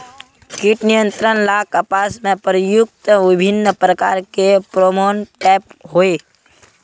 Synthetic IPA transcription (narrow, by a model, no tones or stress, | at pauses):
kiʈnijə̃nt̪ɾənlaːkʰəpaːsmẽpəɾjʊk̚t̪əʋɪbʱɪnːəpɾəkaːɾkepɾoːmoːnʈɛːp̚ɦoeː